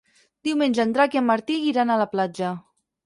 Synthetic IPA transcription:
d̪̥iwmenʲd͡ʒand̪ɾakiamːəɾt̪iɣiɾanalaplad͡ʒə

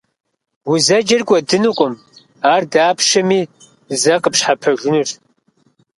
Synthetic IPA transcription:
wʊzɐd͡ʒɐrɡʷʼɔdɨnuqʷʼʊm | aːrdaːpʰʂɐmiː | zɐqʼəpɕħapʰɐʒɨnur

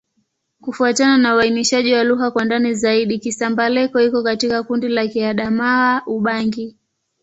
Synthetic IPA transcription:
kufuatananauainiʃaʄiwaluɦakwandanizaiɗikisambalɛkɔhikɔkatikakundilakiaɗamaaʔuɓaŋɡi

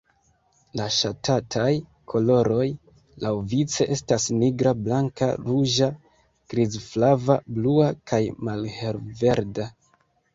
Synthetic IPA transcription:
laʃatʰatʰaj | kʰo̞lo̞ɾo̞j | lawvit͡se̞ʔe̞stasniɡɾablaŋka̰ɾuʒa | ɡ̥ɾizflavabluakʰajmalhe̞lve̞ɾda

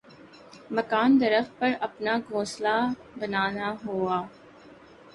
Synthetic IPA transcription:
mɐkaːnd̪ɐɾəfpɐɾɐpnaɡʱõːsla | bɐnaːnaɦoːaː

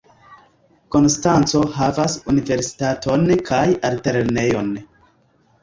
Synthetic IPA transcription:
ko̞nstant͡so̞ɦavasunive̞ɾsi̥tatʰo̞nkʰajalte̞ɾne̞jo̞n

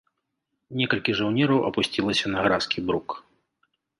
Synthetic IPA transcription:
nʲɛkɐlʲkʲiʐawnʲɛɾɐwʔɐ̰pusʲt͡sʲilˠɐsʲɐnɐɣɾaskʲibɾuk

